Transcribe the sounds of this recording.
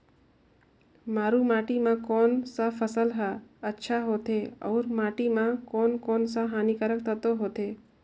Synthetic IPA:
maɾũmaʈimãkonsəfʰəsəlɦaətːʃʰaɦot̪ʰeɔ̰uɾmaʈimãkonkonsaɦanikaɾək̚t̪ʰət̪oɦot̪ʰe

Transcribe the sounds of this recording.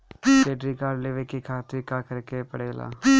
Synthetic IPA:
keːʈɾiːkaːɖleʋeːkekʰaːt̪ɪkːaːkəɾkeːpəɽeːla̰ː

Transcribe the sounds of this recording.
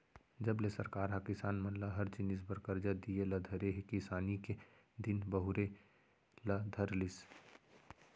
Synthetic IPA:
d͡ʒəblesəɾkaːɾɦakɪsaːnmənlaɦəɾt͡ʃɪnɪs̬bəɾkəɾd͡ʒad̪ieləd̪ʱəɾeɦekisaːnike | d̪ɪnbəɦʊɾe | lad̪ʱəɾlis

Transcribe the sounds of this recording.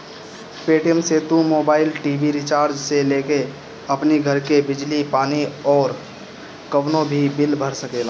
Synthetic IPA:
peːʈijəmset̪umoːbaːɪlʈiːbiɾɪt͡ʃaːɾd͡ʒseleːke | ɐpniɡʱəɾkebɪd͡ʒlipaːniɔːɾ | kəʋnõbʱibɪlbʱəɾsəkeːlaː

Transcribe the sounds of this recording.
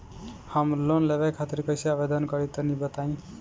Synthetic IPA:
həmlonleβekʰat̪iɾkəjsiabed̪ənkʌɾit̪ənibət̪aĩ

